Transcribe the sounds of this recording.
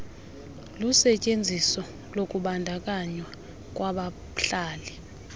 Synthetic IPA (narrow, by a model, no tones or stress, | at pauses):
lusɛcʼend͡zʱisɔ | lokʼuɓandʱak̬ʼaɲwa | k̬ʼwaɓa | ɬaːli